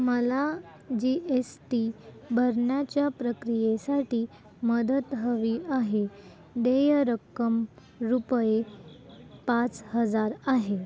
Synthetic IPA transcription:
məla | d͡ʑiʔesʈibʱəɾɳjat͡ɕjapɾəkɾijesaʈiː | məd̪ət̪ɦəʋiʔaɦe | d̪ejəɾəkːəm | ɾupje | pat͡shəd͡zaɾaɦe

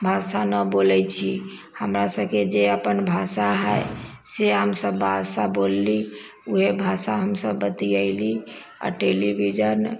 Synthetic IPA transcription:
bʱasanəbolɛt͡ʃʰi | həmɾasəbked͡ʒeəpənbʱasaɦəj | seɦəmsəbːasabolːi | uɦebʱasaɦəmsəbːət̪iəɪli | a̰ʈelibʱid͡ʒən

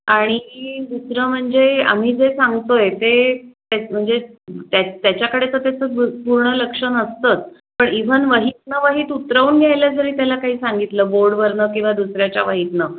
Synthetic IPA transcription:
aɽ̃id̪usɾəːm̤əɳd͡zea̰m̤iːd͡zesaŋɡt̪ojet̪et̪em̤əɳd͡zet̪jat̪jat͡ɕjakəɽet͡sət̪jat͡səpuɾɳələkʂənəst̪ət͡s̪ | pəɳiʋənʋəɦit̪̚nəʋəɦiːt̪ut̪ɾəuːnɡʱjajləd͡zəɾiːt̪jalakaɦiːsaŋɡit̪ləːboɾɖʋəɾɳəkĩw̃ʋad̪usɾjat͡ɕaʋəɦit̪nə

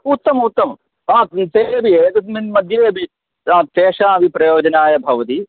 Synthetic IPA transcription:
ut̪ːɐmut̪ːɐm | ãːt̪eɐbʱiet̪ɐmimɐd̪ʱjeːɐbʱi | ãːt̪eːʂaːbʱipɾɐjoːd͡ʒɐnaːjɐbʱɐʋɐt̪i

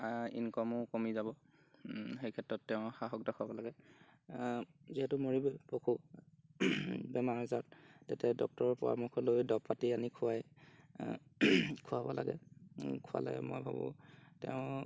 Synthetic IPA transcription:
ḭnkɔmʊkomizabɔ | xejkʰɛtɹɔtːɛʊ̃xaɦɔk̚dɔkʰʊabɔlaɡɛ | ziɦɛtʊmoɹibɛpokʰu | bɛmaɹɔzattɛtɛdɔk̚tɔɹɔpɔɹa̰mukʰɔlojdɔpːatianikʰʊwaj | kʰʊwabɔla̰ɡɛ̰kʰuwa̰la̰ɡɛ̰mo̰jbʱa̰bɔ̰̃tɛ̰ʊ̃

